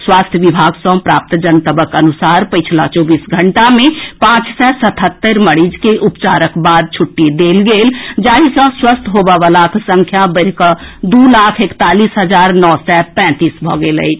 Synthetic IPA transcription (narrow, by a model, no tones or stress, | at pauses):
swast̪ʰjəʋibʱaɡsə̃pɾap̚t̪d͡ʒənt̪əbəkənusaɾpəɪt͡ʃʰlat͡ʃɔbisɡʱəɳʈamepãt͡ʃsɛsət̪ʰɦət̪ːəɾməɽid͡ʒkeʔupt͡ʃaɾəkbad̪̚t͡ʃʰuʈːid̪elɡeld͡ʒaɦisə̃swəst̪ʰɦobəbəlaksə̃ŋkʰjabəɾkəd̪ulakʰekt̪alisɦəd͡ʒaɾnɔsɛpɛ̃t̪isbʱɔ̰ɡelə̰ɪt͡ʃʰ